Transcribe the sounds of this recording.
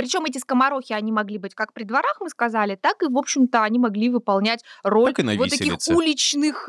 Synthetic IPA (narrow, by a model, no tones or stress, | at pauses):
pɾʲɪt͡ɕo̞mɛt̬ʲɪskəmɐɾo̞xʲɪɐnʲimɐɡlʲibɨtʲkak̚pɾʲɪd̪vɐɾaxmɨskɐzalʲɪt̪akɨvo̞pɕːɪmt̪əɐnʲimɐɡlʲivɨpɐlˠnʲætʲro̞lʲknɐvotsɐkʲixulʲɪt͡ɕnɨx